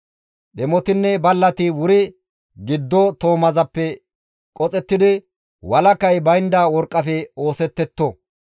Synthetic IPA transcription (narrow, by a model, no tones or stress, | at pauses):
ɗɛmɔt̪ɪnːɛbɐlːɐt̪ɪwʊɾɪ | ɡɪd̪ːɔt̪o̞ːmɐzɐpːɛ | kʼɔt͡sʼɛt̪ːɪd̪ɪ | wɐlɐkɐjbɐjnd̪awɔɾkʼːɐfɛo̞ːsɛt̪ːɛt̪ːɔ